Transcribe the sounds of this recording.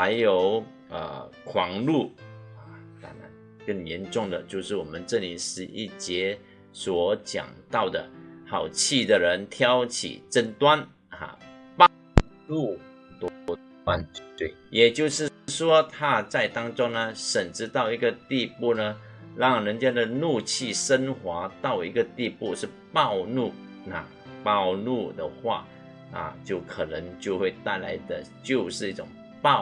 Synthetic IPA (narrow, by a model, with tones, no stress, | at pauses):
ha˧˥ɪjo˨˩ʊ | ə̰˨˩kʰwɑ˨˩ŋlu˥˩ə˨t̪a̰˧˥na˧˥n | kə˥˩ŋjɛ˧˥nʈ͡ʂʊ˥˩ŋd̪ə˩t͡ɕjo˥˧ʊʂɻ̩˥˩wɔ˨˩mə˦nʈ͡ʂɤ˥˧ni˨˩ʂɻ̩˧˥ʔḭ˥˩t͡ɕjɛ˧˥ | swɔ˨˩˦t͡ɕjɑ̰˨˩ŋt̪ɑ˥˩ʊd̪ə̰˩xɑ˨˩ʊt͡ɕʰi˥˩d̪ə˨˩ɻə˧˦˥nt̪ʰjɑ˥ʊt͡ɕʰḭ˨˩ʈ͡ʂə˥nt̪wa˦n | a̰˨˩pɑ˥˩ | lu˥˩˨ | t̪wɔ˥ɔ˥ | a˥˧ny˥˧t̪we˥˩ɪjɛ˨˩t͡ɕjo˥˧ʊʂɻ̩˥˩ʂwɔ˥t̪ʰa˦˥t͡sa˥˩ɪt̪ɑ˥ŋt͡sʊ˥ŋnə˧ʂə˨˩nʈ͡ʂɻ̩˧˥t̪ɑ˥˩ʊi˧˥ɡə˧t̪i˥˧pu˥˩nə˩ | ɻɑ˥˩ŋɻə˧˦nt͡ɕjɛ˥nd̪ə˨nu˥˧t͡ɕʰi˥˩ʂə˥nxwa˧˥t̪ɑ˥˩ʊi˧˥ɡə˨t̪i˥˧pu˥˧ʂɻ̩˥˧pɑ˥˧ʊnu˥˩ | na̰˥˧ | pɑ˥˧ʊnu˥˧˩d̪ə̰˨˩xwa̰˥˧ | na̰˥˩t͡ɕjo˥˩ʊkʰə˨˩nə˧˥ŋt͡ɕjo˥˧ʊxwe˥˧ɪt̪a˥˩ɪla̰˧˥ɪd̪ə̰˧t͡ɕjo˥˧ʊʂɻ̩˥˧i˥˩ʈ͡ʂʊ˨˩ŋ | pɑ˥˨